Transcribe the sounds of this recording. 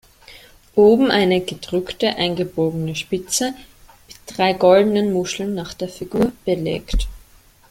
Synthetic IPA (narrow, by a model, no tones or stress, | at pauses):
ʔoːbm̩ʔaɪnəɡədʁʏktəʔaɪnɡəboːɡənəʃpɪt͡sə | mɪt̚d̥ʁaɪɡɔldənənmʊʃl̩nːaːχd̥eːɐfiɡuːɐb̥əlḛːkt